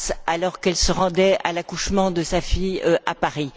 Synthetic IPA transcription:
salɔʁkɛlsəʁɑ̃d̪ɛalakuʃmɑ̃d̪əsafijøʔapaʁi

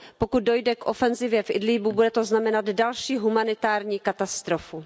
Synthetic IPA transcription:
po̞kut̪̚do̞jdɛkʔo̞fɛnzɪvjɛfʔɪdliːbubudɛt̪o̞znamɛnad̪dalʃiːɦumanɪt̪aːɾɲiːkat̪ast̪ɾofu

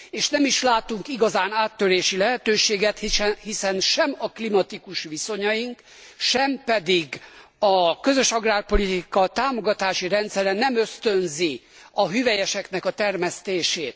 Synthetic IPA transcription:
eːʃnɛmiʃlaːt̪uŋkiɡɒzaːnaːt̪ːøɾeːʃilɛɦɛt̪øːʃeːɡɛt̪hiɛhisɛnʃɛmɒklimɒt̪ikuʃʋiso̞ɲɒjiŋk | ʃɛmpɛd̪iɡɒkø̞zø̞ʃɒɡraːrpo̞lit̪ikɒt̪aːmo̞ɡɒt̪aːʃiɾɛnt̪sɛɾɛnɛmøst̪ø̞nzi | ɒɦyvɛjɛʃɛkn̪ɛkɒt̪ɛrmɛst̪eːʃeːt̪̚

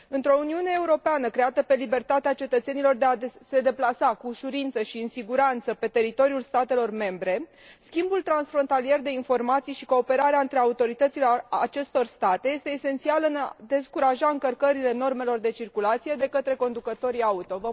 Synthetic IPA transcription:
ɨnt̪ɾo̞uniune̞ːuɾo̞peanəkɾe̞at̪əpe̞libe̞rt̪at̪eat͡ʃe̞t̪ət̪se̞nilo̞rd̪e̞ase̞d̪e̞plasakuːʃuɾint̪səʃiɨnsiɡuɾant̪səpe̞t̪e̞ɾit̪o̞ɾiulst̪at̪e̞lo̞rme̞mbɾe̞ | skʲimbult̪ɾansfɾo̞nt̪alie̞rd̪e̞info̞rmat̪sijʃiko̞ːpe̞ɾaɾeaɨnt̪ɾe̞aut̪o̞ɾit̪ət̪sile̞at͡ʃe̞st̪o̞rst̪at̪e̞je̞st̪e̞ːse̞nt̪sialɨnad̪e̞skuɾaʒaɨŋkərkəɾile̞no̞rme̞lo̞rd̪e̞t͡ʃirkulat̪sije̞d̪e̞kət̪ɾe̞ko̞nd̪ukət̪o̞ɾiaut̪o̞və

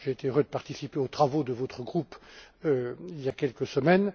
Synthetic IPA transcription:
ʒeet̪eøʁød̪əpaʁt̪isipeot̪χavod̪əvɔt̪χəɡʁupøiljakʲɛlkəsəmɛn

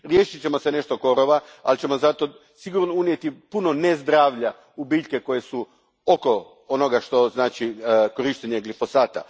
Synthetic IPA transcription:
ɾje̞ːʃit͡ɕe̞mo̞se̞ne̞ʃt̪o̞ko̞ɾoʋa | a̰lt͡ɕe̞mo̞zat̪o̞ | siɡuɾnounje̞t̪ipuno̞nezd̪ɾaːʋʎa | ubiːʎke̞ko̞je̞su | oko̞ | ono̞ɡaʃt̪o̞znaːt͡ʃikoɾiʃt̪eɲeɡlifo̞saːt̪a̰

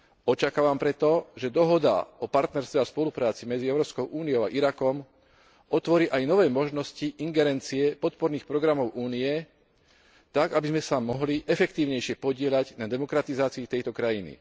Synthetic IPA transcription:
ɔt͡ʃakaːʋampɾɛt̪ɔʒɛd̪ɔɦɔd̪a̰ɔpaɾt̪nɛɾst̪ʋɛaspɔlupɾaːt͡simɛd͡ziɛʊɾɔːpskɔʊʔuːniɔʊa̰ʔiɾakɔm | ɔt̪ʋɔɾiːʔajnɔʋɛːmɔʒnɔsciʔiŋɡɛɾɛnt͡siɛpɔt̪pɔɾniːxpɾɔɡɾamɔʊʔuːnijɛ | t̪aɡabizmɛsamɔɦliʔɛfɛkt̪iːʊɲɛjʃɪɛpɔɟɪɛʎaɟnad̪ɛmɔkɾat̪izaːt͡siit̪ɛjt̪ɔkɾajinḭ

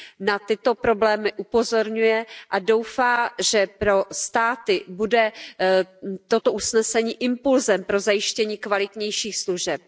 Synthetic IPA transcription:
nat̪ɪt̪o̞pɾo̞blɛːmɪʔupo̞zo̞ɾɲujɛʔado̞wfaːʒɛpɾo̞st̪aːt̪ɪbudɛ | t̪o̞t̪o̞ʔusnɛsɛɲiːʔɪmpulzɛmpɾo̞zajɪʃcɛɲiːkvalɪt̪ɲɛjʃiːxsluʒɛp̚

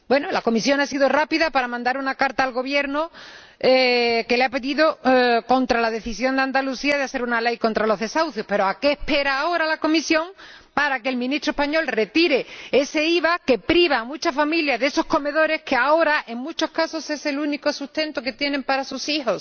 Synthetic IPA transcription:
bwe̞nolako̞misjo̞ŋasiðorapiðapaɾamãnd̪aɾunakaɾt̪aːlɣo̞βje̞ɾno | ke̞leape̞ðiðo̞kõ̞nt̪ɾalaðe̞θisjo̞nd̪e̞and̪aluθiaðeaθe̞ɾunale̞jko̞nt̪ɾalo̞ɦðe̞sawθjo̞hpeɾoake̞ːhpe̞ɾaːo̞ɾalako̞misjõ̞ŋ | paɾake̞ːlmĩnist̪ɾoepaɲo̞lre̞t̪iɾe̞e̞se̞iβake̞pɾiβ̞aːmut͡ʃafamiljaðeso̞hko̞me̞ðo̞ɾe̞hkeao̞ɾaʔe̞ŋmut͡ʃo̞hkaso̞se̞se̞luniko̞sust̪ẽ̞nt̪oke̞t̪je̞nẽ̞mpaɾasusixo̞s

